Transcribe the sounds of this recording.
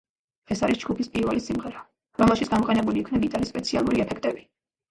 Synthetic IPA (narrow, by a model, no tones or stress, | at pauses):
ɛsaɾisd͡ʒɡupʰispʼiɾvɛlisimʁɛɾa | ɾɔmɛlˠʃit̪ʰɡ̥amɔqʼɛnɛbuliːkʰvnabit̪ʼalispʼɛt̪sʰia̰lˠuɾiɛpʰɛkʰt̪ʼɛbi